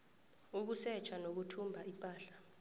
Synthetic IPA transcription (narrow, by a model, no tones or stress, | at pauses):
uk̬usɛt͡ʃʰanok̬utʰumbʱaʔipʼaːɬḁ